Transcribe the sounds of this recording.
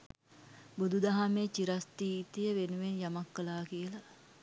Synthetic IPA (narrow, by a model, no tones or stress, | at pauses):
bud̪ud̪aɦamet͡ʃiɾast̪iːt̪əjəʋenuʋenjamakːəlaːkijəla